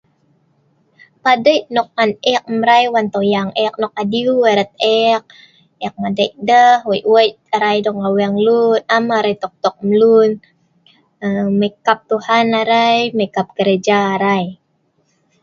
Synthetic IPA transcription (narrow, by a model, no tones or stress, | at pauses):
padəjnɔk̚anɛk̚mɾajwant̪ojaŋʔɛk̚nɔk̚adiuweɾət̪̚ɛk̚ | ɛk̚madəjʔdəhwəjʔwəjʔ | aɾajdɔkawiaŋlunamaɾajt̪ɔk̚t̪ɔk̚mlun | əmekap̚t̪uhanaɾajmekap̚ɡəɾed͡ʒaːɾaj